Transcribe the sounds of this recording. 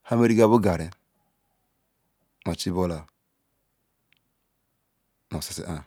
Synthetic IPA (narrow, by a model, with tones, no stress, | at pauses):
ha˦me˦ɾi˦ɡa˦bu˦ɡa˨ɾe˨ | ma˨t͡ʃi˦bo˦la˨ | mo˨si˨sḭ˦ʔa˨